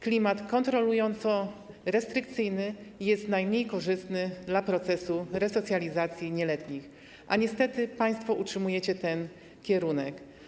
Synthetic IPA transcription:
klʲimat̪kɔnt̪ɾɔlujɔnt̪sɔ | ɾɛst̪ɾɘk̚t̪sɘjnɘjɛst̪najmɲejkɔʐɘst̪nɘd̪lapɾɔt̪sɛsuɾɛsɔt̪sʲjalʲizat̪sʲjiɲɛlɛt̪ɲix | ʔa̰ɲɛst̪ɛt̪ɘpaj̃st̪fɔʔutʂɘmujɛt͡ɕɛt̪ɛn | kʲɛɾunɛk

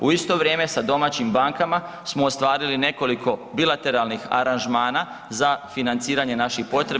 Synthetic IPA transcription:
uist̪o̞ʋɾje̞ːme̞sad̪o̞maːt͡ɕimbaŋkama | smoːst̪ʋaːɾiline̞ko̞likʰo̞bilˠat̪e̞ɾalˠnixa̰ɾanʒmaːna | zafinant̪siːɾaɲe̞naʃixpo̞t̪ɾe

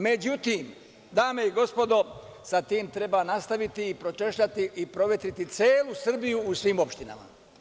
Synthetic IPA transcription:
me̞d͡ʑut̪iːm | d̪aːme̞iɡo̞spo̞d̪o̞sat̪iːmt̪ɾe̞baːnast̪aʋit̪iːpɾot͡ʃe̞ʃʎat̪iʔipɾo̞ʋet̪ɾit̪it̪seːlusr̩bijuːsʋiːmo̞pʃt̪ina̰ma̰

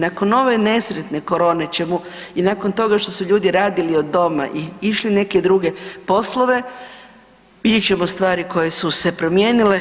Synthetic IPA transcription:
nako̞no̞ʋe̞ne̞sɾet̪ne̞ko̞ɾo̞ːnet͡ɕe̞mu | inako̞nt̪o̞ɡaʃt̪o̞suʎuːd̪iɾaːd̪iliod̪ːo̞ma̰ʔiiʃline̞ke̞d̪ɾuɡe̞po̞slo̞ʋe̞ | ʋid̪jet͡ɕe̞most̪ʋaːɾiko̞je̞suse̞pɾo̞mjeːnile

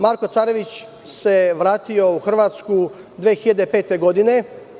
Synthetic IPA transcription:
maːɾko̞t̪saːɾe̞ʋit͡ɕ | se̞ʋɾaːt̪io̞uxr̩ʋaːt̪sku | d̪ʋeːxiʎad̪epe̞ːt̪e̞ɡo̞d̪ine̞

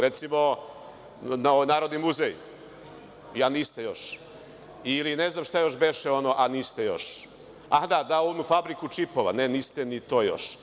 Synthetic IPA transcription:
ɾe̞t̪simo̞ | naoʋojnaːɾod̪nimːuzej | janiːst̪ejo̞ʃ | iline̞znamʃt̪ajo̞ʃbeʃeo̞noʔaniːst̪ejo̞̰ʃ | ad̪ad̪aoʋomufabɾikut͡ʃipoʋa̰neniːst̪enit̪o̞ːjo̰ʃ

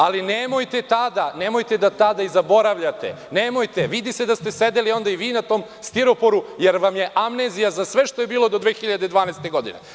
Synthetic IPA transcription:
alinemo̞jt̪et̪ad̪anemojt̪e̞d̪at̪ad̪aizabo̞ɾaʋʎat̪ḛ | nemo̞jt̪eʋid̪ise̞d̪ast̪esed̪elio̞nd̪aiʋiːnat̪o̞ːm | st̪iɾo̞po̞ɾujeɾʋamje̞ʔamnezijazasʋe̞ʃt̪ojebiːlo̞d̪o̞d̪ʋeːxiʎad̪ed̪ʋaːnajst̪e̞ɡo̞d̪ḭnḛ

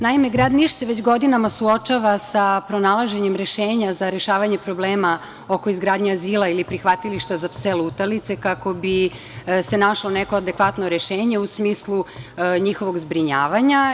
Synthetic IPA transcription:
naime̞ɡɾad̪niʃseʋet͡ɕɡo̞d̪inamasuot͡ʃaʋasapɾonalˠaʒe̞ɲe̞mɾe̞ʃeːɲazaɾeʃaːʋaɲe̞pɾo̞bleːma | o̞ko̞izɡɾaːd̪ɲeaziːlˠailipɾixʋat̪iliʃt̪azapseluut̪alit̪se̞kako̞bi | se̞naʃlˠoneko̞ad̪e̞kʋat̪noɾeʃeːɲe̞usmiːslˠuɲixo̞ʋo̞ɡzbɾiɲaːʋaɲa

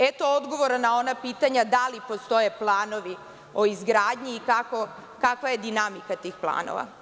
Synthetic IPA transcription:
et̪ood̪ɡo̞ʋo̞ɾanːao̞napiːt̪aɲad̪alipo̞st̪o̞je̞plˠaːno̞ʋi | o̞izɡɾaːd̪ɲiːkako̞ | kakʋaje̞d̪inamikat̪iːxplˠa̰ːno̰ʋa̰

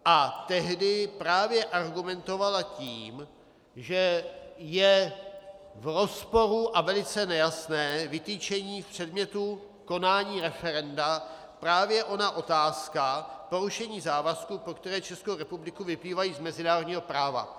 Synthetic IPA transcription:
ʔat̪ɛɦdɪpɾaːvjɛʔaɾɡumɛnt̪o̞valaciːm | ʒɛjɛ | vɾo̞spo̞ɾuʔavɛlɪt͡sɛnɛjasnɛːvɪt̪iːt͡ʃɛɲiːfpr̝̥ɛdmɲɛt̪u | ko̞naːɲiːɾɛfɛɾɛnda | pɾaːvjɛʔo̞naʔo̞t̪aːskapo̞ɾuʃɛɲiːzaːvaskupokt̪ɛɾɛːt͡ʃɛskowɾɛpublɪkuvɪpliːvajiːzmɛzɪnaːɾodɲiːɦo̞pɾaːva̰

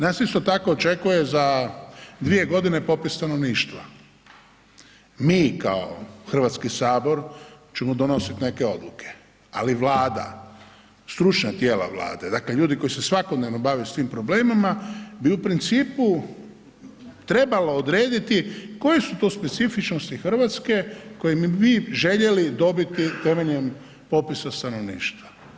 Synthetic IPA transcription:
naːsist̪o̞t̪ako̞ːt͡ʃe̞kuje̞za | d̪ʋie̞ɡo̞d̪ine̞po̞pist̪ano̞ʋniːʃt̪ʋa | miːka̰oxr̩ʋat̪skisaːbo̞ɾt͡ʃemod̪o̞no̞sit̪ne̞ke̞o̞d̪lukʰe̥ | aliʋlaːd̪a̰ | st̪ɾut͡ʃɲat̪je̞ːla̰ʋla̰ːd̪e̞d̪akle̞ʎuːd̪iko̞jise̞sʋako̞d̪ne̞ʋno̞baʋiusʋiːmpɾobleːmimabiupɾint̪siːpu | t̪ɾe̞balood̪ɾeːd̪it̪iko̞jesut̪o̞ːspe̞t̪sifit͡ʃnost̪ixr̩ʋat̪ske̞ko̞jemibiʒe̞ʎe̞lid̪o̞bit̪it̪e̞me̞ʎɲem | po̞pisast̪ano̞ʋnḭːʃt̪ʋa

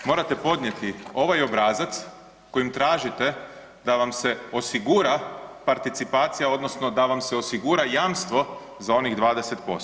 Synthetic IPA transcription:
mo̞ːɾat̪e̞po̞d̪nɲje̞t̪io̞ʋajo̞bɾaːzat̪s | ko̞jimt̪ɾaːʒit̪e | d̪aʋamse̞o̞siɡuɾapaɾt̪it̪sipaːt̪sijao̞d̪no̞sno̞d̪aʋamseo̞siɡuɾajaːmst̪ʋo̞ | zao̞niɣd̪ʋaːd̪eset̪po̞̰s

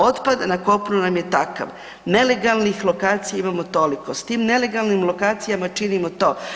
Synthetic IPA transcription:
o̞t̪pad̪anako̞pnunamje̞t̪aka̰ʋ | ne̞le̞ɡalˠnixlˠo̞kaːt̪sijaimamot̪o̞liko̞st̪iːmne̞le̞ɡalˠnimlo̞kaːt̪sijamat͡ʃinimot̪o̞ː

